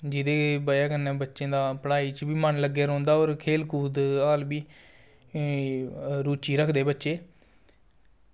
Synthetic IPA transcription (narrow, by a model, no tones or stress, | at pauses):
d͡ʒɪd̪eːbəaːɡənːɛ̃ːbətːʃẽːd̪aːpəɽaːiːt͡ʃbiːmənləɡeːɾõːnd̪aːoːɾkʰeːlkʰuːd̪aːlbiː | ɾuːt͡ʃiːɾəkʰd̪eːbətːʃeː